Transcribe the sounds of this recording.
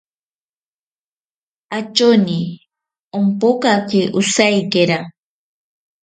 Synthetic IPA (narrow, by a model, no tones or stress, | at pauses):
at͡ʃoni | ompokakɪʔʊsajkeɾa